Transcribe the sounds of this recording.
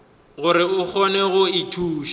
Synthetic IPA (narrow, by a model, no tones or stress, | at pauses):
ɣʊɾɪʊk͡xʰɔnɛɣʊɪtʰuːʃ